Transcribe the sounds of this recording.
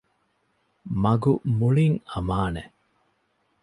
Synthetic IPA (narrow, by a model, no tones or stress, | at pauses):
mɐɡumuɭiŋɐmaːnḛ